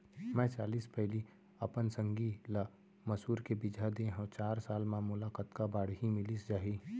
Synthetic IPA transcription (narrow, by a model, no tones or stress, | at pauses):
mɛ̃ːt͡ʃaːliːspɛɦli | ɐpənsə̃ŋɡila | məsuːɾkebɪd͡ʒʱad̪ẽɦõt͡ʃaːɾsaːlmãmʊlaːkət̪kabaːɽɦimɪlisd͡ʒaːɦiː